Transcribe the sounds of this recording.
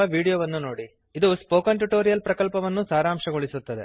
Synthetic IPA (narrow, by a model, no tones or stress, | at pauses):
ɐʋiːɽijoːʋɐnːunoːɽi | id̪uspoːkɐɳʈuʈoːɾijɐlpɾɐkɐlpɐʋɐnːusaːɾaːmʂɐɡoɭisut̪ːɐd̪ḛ